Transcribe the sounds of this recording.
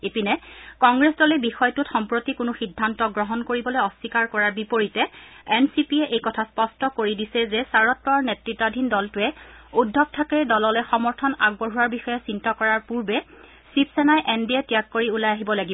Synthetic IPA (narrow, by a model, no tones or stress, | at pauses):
epinɛkɔŋɡɹesdɔlɛbixɔjtʊtxɔmpɹotikʊnʊxidʱːantɔɡɹɔɦɔnkoɹibɔlojɔsikaɹkɔɹaɹbipoɹitɛɛnsipiɛʔejkɔtʰaspɔstɔkoɹidisɛzɛsaɹɔtːɔɹnetɹitːadʱindɔltʊɛudʱːɔk̚tʰakɛdɔlɔlɛxɔmɔɹtʰɔna̰ɡ̚bɔɦuwaɹbixɔjɛsintɔkɔɹaɹpuɹbɛ | sipsɛnajʔɛndiɛtijakːoɹiulajaɦibɔlaɡibɔ